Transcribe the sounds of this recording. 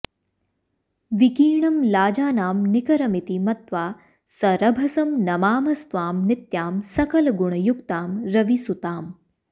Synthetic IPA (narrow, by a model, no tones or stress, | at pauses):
ʋikiːɳɐmlaːd͡ʒaːnaːmnɪkɐɾɐmit̪imɐt̪ʋaː | sɐɾɐbʱɐsɐmnɐmaːmɐst̪ʋaːmnɪt̪jaːmsɐkɐlɡʊɳ̃ɐjʊkt̪aːmɾɐʋisut̪aːm